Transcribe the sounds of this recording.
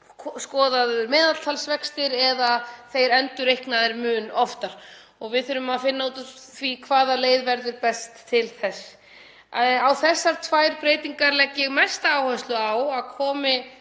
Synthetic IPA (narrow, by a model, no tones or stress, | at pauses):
skɔːðaðʏɾmɛːðat̪l̥t̪ʰalsvɛkst̪ɪɾɛðaθejɾɛnt̪ʏɾejhknaðɪɾmʏːnɔft̪aɾ̥ | ɔɣvɪðθʏɾʏmaðfɪnːauːt̪ | θvikʰvaːðaleːjðvɛɾðʏɾpɛst̪ʰːɪlθɛs | awθɛsːaɾ̥t̪ʰvaːjɾpɾeːjt̪iŋkaɾlɛcːɪɣmɛst̪aaːwhɛnst̪lʏawaðkʰɔːmɪ